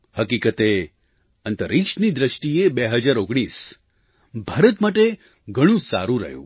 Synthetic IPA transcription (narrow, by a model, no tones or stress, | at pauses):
həkikət̪e | ənt̪əɾikʃnid̪ɾəʃʈiebeɦəd͡ʒaɾoɡɽ̃is | bʱaɾət̪maʈe | ɡʱəɽ̃ũsa̰ɾũɾə̰ɦjṵ̃